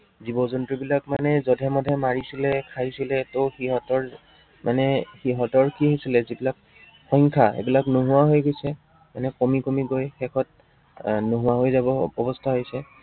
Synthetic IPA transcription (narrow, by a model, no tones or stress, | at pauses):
zibɔzɔntɹibilakmanɛzɔdʱɛmɔdʱɛmaɹisilɛkʰajsilɛtoxiɦɔtɔɹ | manɛxiɦɔtɔɹkiɦisilɛzibilak̚ | xɔŋkʰaḛbilaknoɦʊwaɦojɡojsɛ | manɛkomikomiɡojxɛkʰɔt̚ | noɦʊwaɦojzabɔːbɔstʰaɦojsɛ